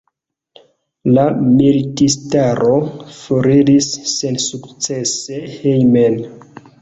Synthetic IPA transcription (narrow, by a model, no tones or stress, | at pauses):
lamilitistaɾʔofoɾiɾisːensukt͡se̞sehejmen